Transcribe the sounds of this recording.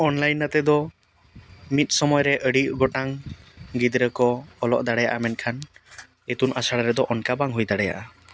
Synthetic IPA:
ɔnlajnːat̪ɛd̪ɔ | mit̪̚ˀsɔmɔjɔɾɛʔəɽiʔɡɔʈaŋɡid̪ɾəkɔːlɔ̰ʔd̪aɽɛja̰ʔamɛnkʰan | et̪unʔasaɽaɾɛd̪ɔʔɔnkabaŋɦujd̪aɽɛja̰ʔa

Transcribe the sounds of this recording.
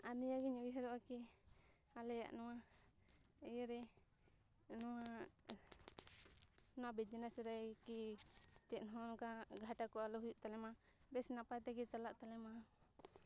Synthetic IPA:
anijaɡiɲuiɦɛɾɔʔaki | alɛja̰ʔnɔwa | jɛɾɛ | nɔwa | nabɛd͡ʒɛnasɾakit͡ʃɛʔ̪nɦɔnkaɡʱaʈakɔalɔɦujuʔt̪alɛma | bɛsnapajt̪ɛkit͡ʃalaʔt̪alɛma

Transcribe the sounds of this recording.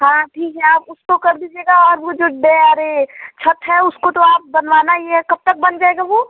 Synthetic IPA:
ɦãːʈʰiːkɦɛaːpʊskokɐɾd̪id͡ʒeːɡaɔːɾbod͡ʒoːɖɛaːɾet͡ʃʰət̪ɦɛʊskot̪oaːp̚bɐnʋaːnajeɦɛkɐb̚t̪ək̚bɐnd͡ʒaːeɡaboː

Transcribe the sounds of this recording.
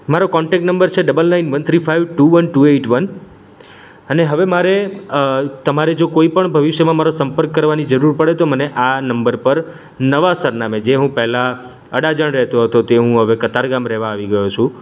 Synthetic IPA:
maɾokɔɳʈɛk̚ʈnəmbəɾt͡ʃʰeɖəbəlnainʋənt̪ʰɾifaiʋʈuʋənʈueʈʋən | əneɦəʋemaɾe | t̪əmaɾed͡ʒokoipəɳbʱəʋiʃjəmãmaɾosəmpəɾkːəɾʋanid͡ʒəɾuɾpəɽet̪oməneʔanəmbəɾpəɾ | nəʋasəɾnamed͡ʒeɦũpɛɦla | ə̰ɽad͡ʒəɳ̃ɾɛɦt̪oɦət̪ot̪eɦũɦəʋekət̪aɾɡamɾɛɦʋaːʋiɡəjot͡ʃʰũ

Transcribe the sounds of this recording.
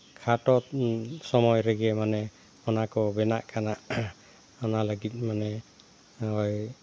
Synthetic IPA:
kʰatɔtsɔmɔjɾeɡɛmanɛ | ɔnakɔbɛnaʔkanaʔ | ɔnalaɡit̚ˀmanɛ | ɦɔj

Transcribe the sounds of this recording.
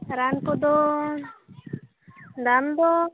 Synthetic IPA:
ɾankod̪o | d̪and̪o

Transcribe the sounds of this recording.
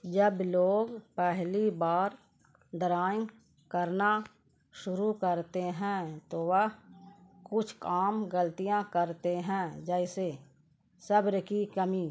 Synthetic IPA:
d͡ʒəbloːɡpɛɦlibaːɾ | d̪əɾaːẽ | kəɾna | ʃʊɾukəɾt̪eɦɛ̃t̪oʋəɦkʊt͡ʃʰkaːmɡəlt̪ijãkəɾt̪eɦɛ̃d͡ʒɛɪse | səbɾəkikəmiː

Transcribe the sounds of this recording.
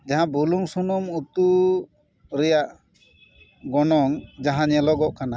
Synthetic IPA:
d͡ʒaɦãbuluŋsunɔmut̪u | ɾɛjaʔ | ɡɔnɔŋd͡ʒaɦãɲɛlɔɡɔʔkana

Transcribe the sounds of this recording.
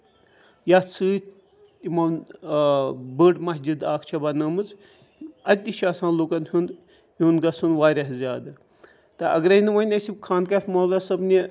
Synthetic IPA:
jat͡sʰɨːt̪ | imɐn | bəːʈmɐɦd͡ʒid̪aːkʰt͡ʃʰɐbanɐmɨt͡s | ɐt̪ʲːiʃʰaːsãːnluːkɐnɦʲund̪ | unɡɐsunʋaːɾʲɐɦzʲaːd̪ɨ | t̪ɐʔɐ̰ɡɾɐinɨʋɐnʲɐsʲibkʰaːnkɐfʲmɐːlɐsɐbni

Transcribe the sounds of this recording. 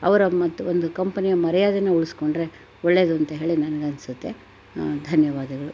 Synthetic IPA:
ɐ̰ʋɐɾɐmɐt̪ːuond̪ukɐmpɐnijɐmɐɾɐjaːd̪ɐnːeuɭisko̞ɳɖɾe̞ | ɔɭːe̞ːd̪uɐnt̪ɐɦe̞ːɭinɐnɐɡeɐnsut̪ːe̞ | d̪ʱɐnjɐʋaːd̪ɐɡɐɭu

